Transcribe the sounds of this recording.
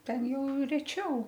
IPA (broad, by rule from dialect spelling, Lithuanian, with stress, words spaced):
ˈtʲɛn ˈjɛʊ rʲɛˈt͡ʃʲɛʊ